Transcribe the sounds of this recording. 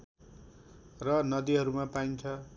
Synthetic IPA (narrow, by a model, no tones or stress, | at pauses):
rʌnʌd̪iɦʌɾumapaint͡sʰʌ